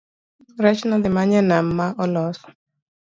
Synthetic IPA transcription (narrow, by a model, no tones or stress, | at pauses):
ɾɛt͡ʃnadɪmaɲɛnam̩maʔɔlɔsɔ̥